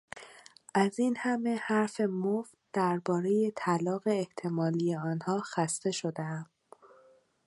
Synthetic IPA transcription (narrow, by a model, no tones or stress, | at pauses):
ʔæziːnhæme̞hæɾfe̞moft̪̚d̪̥æɾbɒːɾe̞je̞t̪ʰælɒːɣe̞ːht̪ʰe̞mɒːlije̞ɒːnhɒːxæst̪e̞ʃo̞d̪eæm